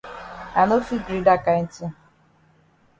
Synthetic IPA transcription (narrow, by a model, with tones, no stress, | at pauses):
a˨no˦fi˦d͡ʒi˨ɾi˦da˦ka˨ɪ˦ti˦